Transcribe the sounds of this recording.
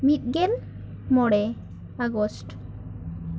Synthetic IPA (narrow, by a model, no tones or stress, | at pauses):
mit̪̚ˀɡɛl | mɔɽɛ | aɡɔsʈ